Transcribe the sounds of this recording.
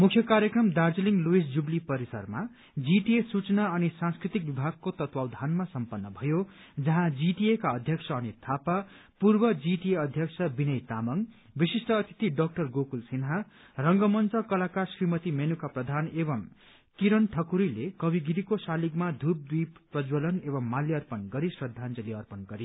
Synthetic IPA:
mukʰjʌkaɾjʌkrʌmd̪ard͡zliŋluisd͡zublipʌɾisʌ̰rma | d͡ziʈiesut͡sʌnaʌnisãnskrit̪ik̚bibʱaɡ̚kot̪ʌt̪wawd̪ʱanmasʌmpʌnːʌbʱʌjo | d͡zʌɦãd͡ziʈiekaʌd̪ʱjʌksʰʌːnit̪ʰapa | purbʌd͡ziʈieʌd̪ʱjʌksʰʌbinʌjt̪amʌŋ | bisisʈʌːt̪ʰi̥t̪iɖʌk̚ʈʌrɡokulsinɦa | rʌŋɡʌmʌnt͡sʌkʌlakarsrimʌt̪imenukaprʌd̪ʱanebʌm | kiɾʌnʈʰʌkuɾilekʌbiɡiɾikosalikmad̪ʱup̚d̪wiprʌd͡zwʌlʌnebʌmːaljiʌrpʌnɡʌɾisrʌd̪ʱːand͡zʌliʌrpʌnɡʌɾi

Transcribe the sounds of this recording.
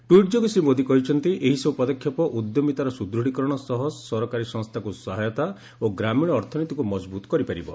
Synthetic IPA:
ʈwiʈd͡ʒoɡsɾimod̪ʱikɔɦit͡ʃʰɔnt̪iʔeɦisɔwpɔd̪ɔkʰjɔpɔʔud̪jɔmit̪aɾɔsud̪ɾuɽ̤ikɔɾɔɽ̃ɔsɔɦɔsɔsɔɾɔkaɾisɔŋst̪ʰakusɔɦajɔt̪a | oɡɾamiɽ̃ɔːɾt̪ʰɔnit̪ikumɔd͡ʒbut̪ɔ̥kɔɾipaɾibɔ̰

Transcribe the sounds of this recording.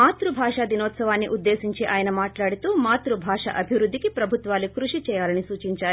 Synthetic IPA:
maːt̪ɾubʱaːʂad̪inɔːt̪sɐʋaːnːiʔud̪ːeːsiɲt͡ʃiʔaːjɐnɐmaːʈlaːɽut̪uːmaːt̪ɾubʱaːʂɐ̰ʔɐbʱiʋɾud̪ːikipɾɐbʱut̪ʋaːlukɾuʂit͡ʃɛːjaːlɐnisuːt͡ʃiɲt͡ʃaːɾi

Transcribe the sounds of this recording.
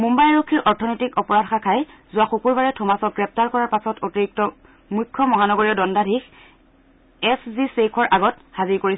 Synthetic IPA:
mumbajɹokʰːiɹʔɔɹtʰɔnɔjtikɔpɔɹadxakʰajzʊwaxukuɹbaɹɛtʰɔmasɔɡɹɛp̚taɹkɔɹaɹpasɔtotiɹik̚tɔ | mujkʰːɔmɔɦanɔɡoɹiɔdɔndadʱix | ɛszisekʰɔɹʔaɡɔt | haziɹkoɹis

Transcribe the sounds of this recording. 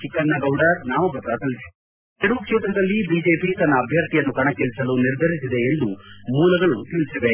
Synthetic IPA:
t͡ʃikːɐnːɐɡɐwɖaɾnaːmɐbʱɐt̪ɾaːt̪ɐli̥ | t̪iɾuʋɐkʂeːt̪ɾɐd̪ɐlːibiːd͡ʒeːpit̪ɐnːɐːbʱjɐɾt̪ijɐnːukɐɳɐkːeɭisɐluniɾd̪ʱɐɾisid̪e̞ːnd̪umuːlɐɡɐɭut̪iɭisiʋe

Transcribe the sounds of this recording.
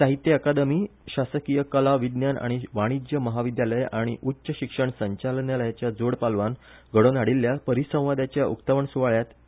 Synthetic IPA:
saɦit̪ːjeakad̪əmiːɕasəkijəkəlaʋid̪njana̰ɽ̃iʋaɽ̃id͡ʑjəməɦaʋid̪jaləjaɽ̃iʔutːɕəɕikʂəɳsəɲt͡ɕalnjaləjat͡ɕjad͡zoɽpalʋanɡʱəɽonaɽilːjapəɾisə̃w̃ʋad̪at͡ɕjaʔukt̪əʋəɳsuʋaɭjat̪

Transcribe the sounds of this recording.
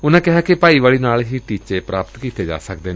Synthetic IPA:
ʊnãːkɪɦaːkepaːiːʋaːliːnaːlɦiːʈiːt͡ʃeːpɾaːpət̪kiːt̪eːd͡ʒa̰ːsək̚d̪eːne

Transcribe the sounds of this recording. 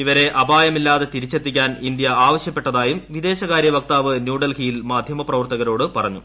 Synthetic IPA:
iʋɐɾe̞ʔɐbaːjɐmilːaːðe̞t̪iɾit͡ɕːe̞t̪ːikʲːaːnind̪jɐaːʋɐɕjɐpːe̞ʈːɐðaːjumʋid̪e̞ːɕɐɣaːɾjɐʋɐk̚t̪aːʋɨnjuːɖɐlhijlmaːd̪ʱjɐmɐprɐʋɐrt̪ɐɣɐɾo̞ːɽɨpɐrɐɲːu

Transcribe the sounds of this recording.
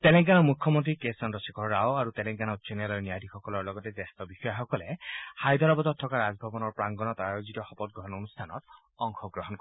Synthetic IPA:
t̪ɛlɛ̃ŋɡanɔmukʰːjɔmɔnt̪̬ɾikesɔnɾɔsekʰɔːawaɾut̪ɛlɛ̃ŋɡanɔt͡ʃenalɔɹnijadʱixɔkɔlɔɹlɔɡɔt̪ed͡ʒest̪ɔbixɔjaxɔkɔlehajd̪ʱɔɾɔbɔd̪ɔt̪ʰːɔkaɾazbʱɔbɔnɔɹpɹaŋɡɔnɔt̪ɔajod͡ʒit̪ɔxɔpɔt̪̚ɡɾɔɦɔnonust̪ʰanɔ̰t̪ | ɔŋxɔɡɾɔɦɔnk

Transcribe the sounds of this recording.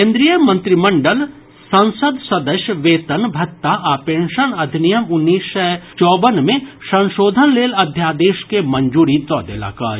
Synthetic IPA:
kẽːnd̪ɾijəmɐ̃nt̪ɾimɐɳɖəl | sɐ̃nsəd̪sɐd̪əʃjəʋeːt̪ɐnbʱɐk̚t̪ːaʔaːpẽːɳʃənɐd̪ʱnijɐmʊnːiːsʃɐt͡ʃɔːbənmẽsɐ̃nʃoːd̪ʱənleːlɐd̪ʱjaːd̪eːʃkemɐɲd͡ʒuːɾit̪ɔːd̪ḛla̰ːka̰ː

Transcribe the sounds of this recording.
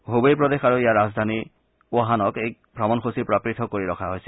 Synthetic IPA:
ɦobjpɹɔdexaɹuijaɹazd̪ʱani | ʊɔɦanɔkejk | bʱɹabɔnxʰosipɹapɹitʰɔkoɹiɹɔkʰaɦojsɛ

